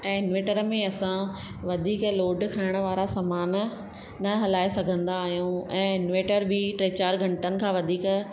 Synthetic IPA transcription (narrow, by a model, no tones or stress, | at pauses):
ɛ̃ːɪnʋeːʈəɾmẽɐsã | ʋɐd̪ʱiːkloːɖkʰaːɪɽ̃ə̆ʋaːɾasaːmaːn | nɐɦɐlaːesɐɡʱə̃nd̪aːɦijũɛ̃ːɪnʋeːʈəɾbʱɪʈɾeːt͡ɕaːɾɡʱɐ̃ɳʈənɪ̆kʰãːʋɐd̪ʱiːk